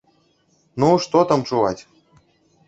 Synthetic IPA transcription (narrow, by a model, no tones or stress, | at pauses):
nuʂt̪ot̪amt͡ʂuvatʲ